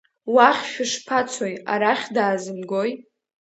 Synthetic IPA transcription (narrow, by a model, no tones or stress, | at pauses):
waχʲʃᶣʊʂpʰat͡sʷʰoja̰ɾaχʲdaːzɨmɡoj